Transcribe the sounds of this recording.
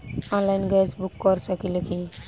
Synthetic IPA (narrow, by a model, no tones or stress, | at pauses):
ɔ̃nlajnɡasbukːɔɾsakileki